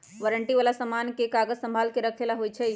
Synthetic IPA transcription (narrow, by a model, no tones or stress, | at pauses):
ʋəɾəɳʈiʋalasəmankekaɡəzsə̃mbʱaːlkeɾəkʰelaɦojt͡ʃʰɛ